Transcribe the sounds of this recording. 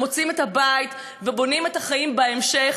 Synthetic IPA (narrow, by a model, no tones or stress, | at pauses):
o̞t͡sime̞thabajt | vebo̞nime̞thaχajimbeemʃe̞